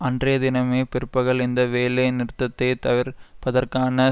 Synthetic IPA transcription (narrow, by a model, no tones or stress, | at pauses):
ɐndrɐjɐd̪ɪnɐmeːpɪɾɯpːɐɣɐɭɪnd̪ɐʋeːlɐɪnɪɾɯt̪ːɐt̪ːɐɪt̪ɐʋɪɾpɐðɐɾkaːnɐ